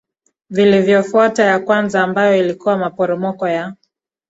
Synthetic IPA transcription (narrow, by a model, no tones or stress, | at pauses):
vilivjɔfuatajakwanzaːmbajɔilikuwamapɔɾɔmɔkɔja